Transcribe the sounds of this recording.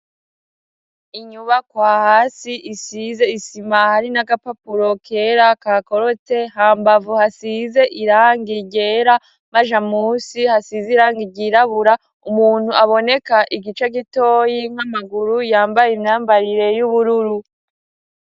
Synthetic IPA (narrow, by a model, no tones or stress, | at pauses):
iɲuβakwaːhaːsiʔisize̞isimahaɾinaɡapapuɾo̞kʰe̞ːɾakaːko̞ɾo̞te̞haːmbavuhasize̞ʔiɾaːŋɡiɟe̞ɾa | maʒamuːsihasiziɾaːŋɡiɟiɾaβuɾa | umuːn̥huaβo̞ne̞kaʔiɡit͡ʃeɡitoːjiŋ̥amaɡuɾujaːmbajimɲaːmbaɾiɾe̞juβuɾuɾu